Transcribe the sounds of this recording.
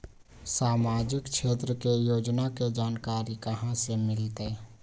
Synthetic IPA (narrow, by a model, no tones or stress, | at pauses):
saːmaːd͡ʒɪkʃʰeːt̪ɾəkejoːd͡ʒnaked͡ʒaːnkaːɾikəɦãsemɪlt̪e